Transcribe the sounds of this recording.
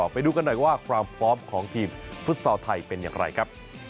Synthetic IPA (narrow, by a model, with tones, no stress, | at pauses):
pa˧jduː˧ka˧nːɔ˨˩jwaː˥˩kʰɾaː˧mfʰɔː˦˥mkʰɔː˩˦ŋt̪ʰiː˧mfu˦˥t̪̚sɔː˧wt̪ʰa˧jpe˧nja̰ː˨˩ŋɾa̰˧jkʰa˦˥p̚